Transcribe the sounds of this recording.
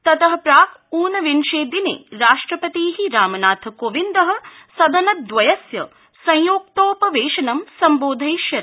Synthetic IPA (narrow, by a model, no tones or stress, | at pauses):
t̪ɐt̪ɐɦɐ̆pɾaːkuːnɐʋinʃeːd̪inḛːɾaːʂʈɾɐpɐt̪iːɦiɾaːmɐnaːt̪ʰɐkoʋind̪ɐɦɐ̆ | sɐd̪ʱɐnɐt̪̚d̪ʋɐjɐsjɐ | sɐ̃jjoːk̚t̪oːpɐʋeːʃɐnɐmsɐmboːd̪ʱɐjʃjɐɾ